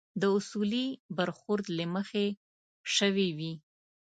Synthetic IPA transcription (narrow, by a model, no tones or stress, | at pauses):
d̪əʊsulibaɾxʊɾd̪laməxe | ʃəwiwi